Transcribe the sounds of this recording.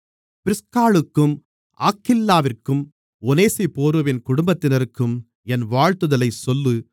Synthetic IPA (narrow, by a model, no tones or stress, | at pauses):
pɪɾɪskaːɭɯkːɯm | ʔa̰ːkːɪlːaːʋɪrkːɯm | ɔneːsipoːɾoʋɪnkʊɽʊmbɐt̪ːɪnɐɾɯkːɯm | ɛnʋaːɻt̪ɯðɐlɐɪsɔlːɯ